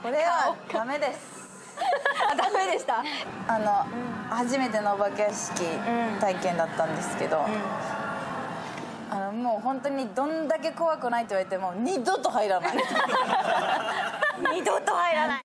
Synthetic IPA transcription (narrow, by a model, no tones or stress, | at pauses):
ko̞ɾeβḁame̞d̪e̞sɨ̥ | d̪amed̪eɕi̥t̪aano̞haʑime̞t̪e̞noːbakeaɕi̥kʲit̪aikẽ̞nd̪at̪ːãnd̪e̞sɨ̥ke̞d̪o̞ | ano̞moːɦõ̞nt̪o̞ɲ̟id̪õ̞nd̪ak̬e̞ko̞βakɯ̟nait̪oiβaɾit̪e̞moːɲʲid̪ot̪oɦaiɾan | ɲid̪ot̪ohaiɾa